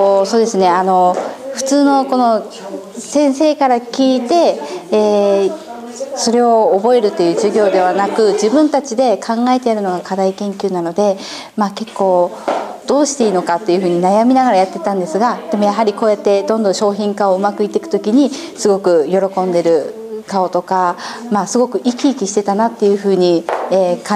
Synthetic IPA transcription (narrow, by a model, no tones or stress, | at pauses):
oso̞ːd̪e̞sɨne̞ano̞ɸɯ̟̥t͡sɨːno̞ko̞no̞ | sẽ̞ɰ̃se̞ːkaɾakʲiːt̪e̞ː | so̞ɾe̞o̞ːbo̞e̞ɾɯ̟t̪ːe̞jɯ̟ːʑɨɡʲo̞ːd̪e̞βanakɯ̟d͡ʑibɯ̟̃nt̪at͡ɕid̪e̞kʰãŋɡae̞t̪e̞jaɾɯ̟no̞ɡakad̪aikẽ̞ŋkʲɨːnano̞d̪e̞ | maːke̞kːo̞ː | d̪̥o̞ːɕi̥t̪e̞iːno̞kat̪ːe̞jɯ̟ɸɯ̟ːɲ̟inajamʲinaɡaɾajat̪ːe̞t̪ãnd̪e̞sɨɡad̪̥e̞mo̞jaɦaɾʲiko̞ːjat̪ːe̞d̪õ̞nd̪õɕo̞ːçĩŋkaoɯ̟makɯ̟it̪ːe̞kɯ̟̥t̪o̞kʲiɲ̟i | sɨɡo̞kɯ̟jo̞ɾo̞kõ̞nd̪e̞ɾɯ̟ | kao̞t̪o̞kamasɨɡo̞kɯ̟ʔikʲiːkʲiɕi̥t̪et̪anat̪ːe̞jɯ̟ɸɯ̟ːɲ̟ieːkã